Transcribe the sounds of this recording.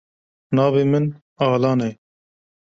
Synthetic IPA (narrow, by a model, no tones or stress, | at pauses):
nɑːveːmɪn | ɑːlɑːnɛj